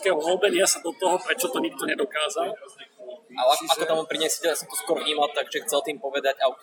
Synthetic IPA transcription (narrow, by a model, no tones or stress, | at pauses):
kɛːɦɔɦɔlbɛɲɪasad̪ɔt̪ɔɦɔpɾɛt͡ʃɔt̪ɔɲik̚t̪ɔɲɛd̪ɔkaːzal | ʔalaakɔt̪amɔmpɾiɲɛsɛcɛasɔmt̪ɔskʊɔɾvɲiːmalt̪aɡʒɛxt͡sɛlt̪iːmpɔʋɛd̪aɟaʊt̪